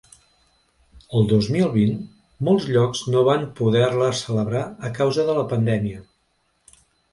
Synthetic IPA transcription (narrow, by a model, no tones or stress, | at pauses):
əlˠd̪ozmilˠβin | molˠzʎɔkz̥noβ̞ampuðɛrləsələβɾaəkawzəðələpənd̪ɛmiə